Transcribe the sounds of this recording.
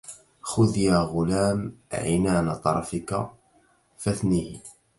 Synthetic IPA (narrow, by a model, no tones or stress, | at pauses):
xʊðjaːɣʊlaːmʕɪ̰naːnat̪ˤɑ̰ɾˤɑ̰fɪka̰ | fæθnih